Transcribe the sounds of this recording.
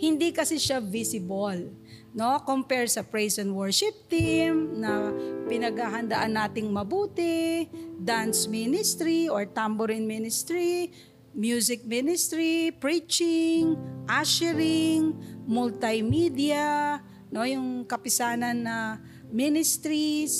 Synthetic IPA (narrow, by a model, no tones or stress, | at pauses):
hɪnd̪ikɐsɪʃavisɪbol | no̞kompɛɹsɐpɹɛjsɛnt̪wɔɹʃɪp̚t̪imnɐpɪnɐɡhaɦɐnd̪ɐʔanːaːt̪ɪŋmɐbuːt̪ɛd̪ansminɪst̪ɾioɹt̪ambʊɾɪnminɪst̪ɹi | mjusɪk̚minɪst̪ɾipɹit͡ʃɪŋʔaʃɛɾɪŋmʊlt̪ajmid̪ɪɐ | nojʊŋkɐpɪsaːnɐnːɐ | minɪst̪ɾis